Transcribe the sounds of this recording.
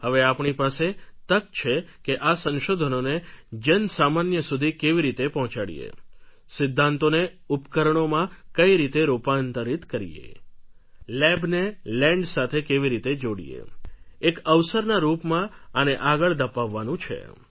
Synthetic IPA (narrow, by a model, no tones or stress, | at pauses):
həʋeapɳipaset̪əkt͡ʃʰekeʔasə̃nʃod̪ʱənoned͡ʒənsamanjəsud̪ʱikeʋiɾit̪epɔɦɔ̃t͡ʃaɽḭḛ | sɪd̪ʱːãnt̪one | upkəɾəɳomãkəiɾit̪eɾupant̪əɾit̪kəɾḭjḛ | lɛbnelɛ̃ɳɖsat̪ʰekeʋiɾit̪ed͡ʒoɽḭjḛekəʋsəɾnaɾupmãəneʔaɡəɭd̪əpaʋːanũt͡ʃʰḛ